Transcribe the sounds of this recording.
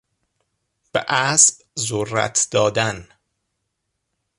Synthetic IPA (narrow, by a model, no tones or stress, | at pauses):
b̥eʔæsb | zorːæ̰t̪ʰd̪̥ɒːd̪æn